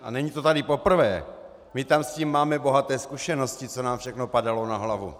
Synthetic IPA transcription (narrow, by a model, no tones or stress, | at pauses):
ʔa̰nɛɲit̪o̞t̪adɪpo̞pr̩vɛː | mɪt̪amsciːmːaːmɛbo̞ɦat̪ɛːskuʃɛno̞scɪt͡so̞naːmfʃɛxno̞padalo̞naɦlavṵ